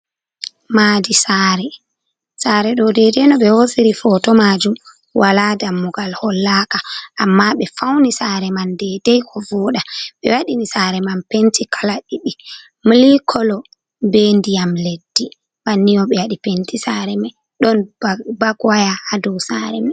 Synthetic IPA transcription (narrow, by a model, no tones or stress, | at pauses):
maːdisaːɾɛ | saːɾɛɗɔdɛdɛnɔɓɛhosiɾifɔtɔmad͡ʒum | wʔaladamːuɡalhɔlːakaʔamːaɓɛfawnisaɾɛmandɛdɛjkɔvɔɗaɓɛwaɗinisaɾɛmanpentʰikʰalaɗiɗi | milikʰɔlɔ | bendijamledːi | banːijɔɓɛwaɗipentisaɾɛmɛ | ɗɔnbaɡwajahadɔwsaɾɛ̰mɛ